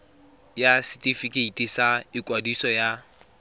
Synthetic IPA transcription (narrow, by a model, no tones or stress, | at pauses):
jasɪtʼifikʼeitʼisaɪkʼwadisɔja